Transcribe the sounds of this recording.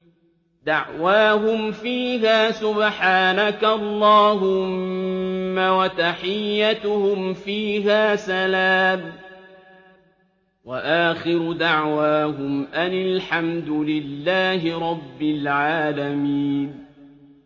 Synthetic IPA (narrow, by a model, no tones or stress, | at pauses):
d̪aʕwaːɦʊmfiːɦaːsʊbħaːnakaʔlˤːɑːɦʊmmː | awat̪aħɪjːat̪ʊhʊmfiːɦaːsalaːm | waʔaːxɪɾʊd̪aʕwaːɦʊmʔanɪlħamd̪ʊlɪlːaːɦɪɾˤɑbːɪlʕaːlamiːn